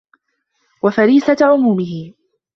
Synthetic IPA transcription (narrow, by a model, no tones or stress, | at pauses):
wafaɾiːsaʕʊmuːmɪhɪ